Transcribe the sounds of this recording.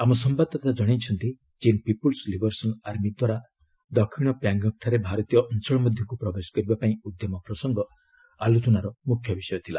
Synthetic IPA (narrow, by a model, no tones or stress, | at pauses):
amɔs̬ɔmbad̪ʱɔt̪ad͡ʒɔɽ̃et͡ʃʰɔnt̪i | t͡ʃinpipulslibɔɾsɔnaɾmid̪waɾa | d̪ɔkʰiɽ̃ɔpjaŋɡɔk̚ʈʰaɾebʱaɾɔt̪ijɔʔɔnt͡ʃɔɭɔmɔd̪ʱjɔŋkupɾɔbesɔ̥kɔɾibapaĩud̪jɔmɔpɾɔsɔŋɡɔ | alut͡ʃɔnaɾɔmukʰːjɔbisɔjɔt̪ʰila̰